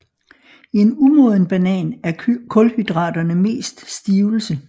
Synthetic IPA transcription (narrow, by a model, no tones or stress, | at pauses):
ie̝numɔð̞ˠn̩b̥ænɛ̰ːnæɐkʰɔ̽lhyd̥ʁɑ̰̈ːd̥ɐnəme̝̰ːsd̥sd̥iːʊl̩sə